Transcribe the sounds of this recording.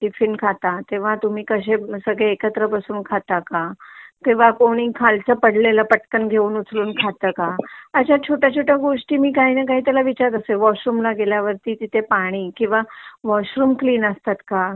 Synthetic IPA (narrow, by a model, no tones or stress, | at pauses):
ʈifinkʰat̪at̪ẽʋ̤at̪um̤iːkəɕ̬esəɡɭeːkət̪ɾəpəsuːnkʰat̪akakĩw̃ʋakoɽ̃iːkʰalt͡səpəɽleləpəʈkənɡʱeuːnut͡sʰluːnkʰat̪əːkaəɕjat͡ɕʰoʈjat͡ɕʰoʈjaɡoʂʈiːmiːkaɦiːnəkaɦiːt̪jalaʋit͡ɕaɾd̪əseʋɔɕɾuːmlaɡeljaʋəɾt̪iːt̪it̪ʰepaɽ̃iːkĩw̃ʋaʋɔɕɾuːmkliːnəst̪at̪ka